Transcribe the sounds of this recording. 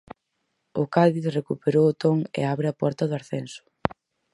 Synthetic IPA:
ʊkaðiθrekupeɾowʊt̪oŋḛaβɾɪapɔɾt̪ɐðʊaɾθɛnsʊ̥

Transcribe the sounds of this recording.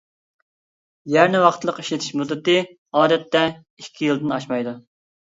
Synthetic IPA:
jæɾnɪwɑχt̪ʰɨlˠəqi̥ʃlɪt̪ʰɪ̥ʃmud̪ːɨt̪ɨ | ɑːd̪ɛt̪ːɛ | ikʲʰːijɨlˠd̪ɨnɑʃmɑjd̪u

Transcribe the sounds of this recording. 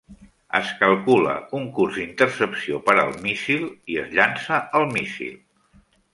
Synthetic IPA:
ə̰skəlˠkulə̰uŋkurzd̪int̪ərsəpsiopəɾə̰lˠmisilˠiəzʎansəʔəlˠmisḭlˠ

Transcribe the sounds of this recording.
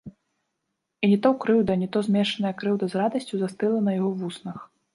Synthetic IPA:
inʲit̪ɔwkɾɨwd̪ɐnʲit̪ɔzʲmʲɛʂɐnɐjɐkɾɨwd̪ɐzrad̪ɐsʲt͡sʲuzast̪ɨlˠɐnɐjaɣɔvusnɐx

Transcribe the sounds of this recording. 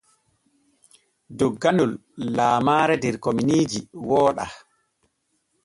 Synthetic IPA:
dɔɡːanulːaːmaːɾɛdɛɾkominiːd͡ʒiwɔːɗa̰

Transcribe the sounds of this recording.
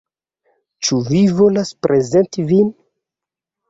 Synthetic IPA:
t͡ʃuvivo̞laspɾezentivin

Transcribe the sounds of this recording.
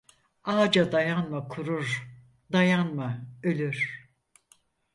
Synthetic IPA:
aːd͡ʒad̪ajanmakʰuɾuɾ | d̪ajanmaø̞lʲyɾ̥

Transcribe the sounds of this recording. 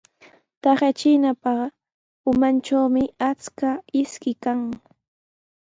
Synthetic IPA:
t̪ɑχjat͡ʃɪnapɑχ | ʊmant͡ʃawmɪat͡skaɪskɪkaŋ

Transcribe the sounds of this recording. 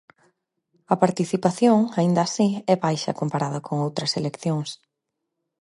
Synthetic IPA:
ɐpaɾt̪iθipaθjoŋaind̪ɐːsiɛβajʃɐ̰kompaɾaðɐkʰoŋowt̪ɾɐselekθjoŋs

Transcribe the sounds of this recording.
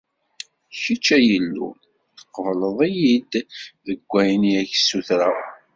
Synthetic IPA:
çit͡ʃːæjəlːṵ | θə̥qːəvləðˤijid̪ðəɡʷːæjniæçsːuθɾa

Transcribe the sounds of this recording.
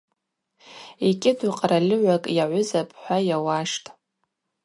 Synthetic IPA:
ekʲʼɪduqʼralɪʕʷakʼjaʕʷʊzapʼħʷᶣajawaʂtʼ

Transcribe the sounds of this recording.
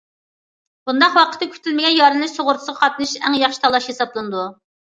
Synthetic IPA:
b̥und̪ɑqwɑqʰə̥t̪ːɨkʲʰy̥t̪ʰɪlmɪɡʲɛnjɑɾɨnlˠɨʃsʰoʁʊɾt̪ʰʊ̥səʁɑqʰɑt̪nɨʃɛŋjɑχʃit̪ʰɑlˠɑʃhesɑblˠɨnɨd̪u

